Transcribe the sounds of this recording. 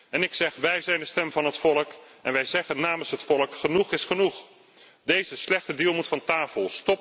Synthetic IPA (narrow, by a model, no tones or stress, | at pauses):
ɛnɪksɛχʋɛjzɛjndəstɛmvɑnɦətfɔlˠəkʔɛnʋɛjzɛχənːaːmənsɦətfɔlˠəkχənuχɪsχənuχ | dejzəslɛχtədilˠmutfɑntaːfəlˠstɔp